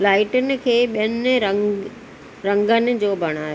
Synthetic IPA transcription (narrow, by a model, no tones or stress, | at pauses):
laːɪʈənɪ̆kʰeːɓijənɾəŋ | ɾɐ̃ŋɡənɪ̆d͡ʑoːbʱɐɽ̃aːjo